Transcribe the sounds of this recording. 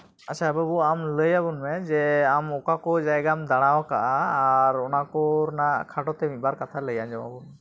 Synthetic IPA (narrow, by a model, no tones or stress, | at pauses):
at͡ʃʰabəbuamləjabunmɛd͡ʒɛamɔkakɔd͡ʒajɡamd̪aɽ̃awakaʔaːɾɔnakɔɾnaʔkʰaʈɔt̪ɛmit̪̚ˀbaɾkat̪ʰaləjad͡ʒɔwa̰bun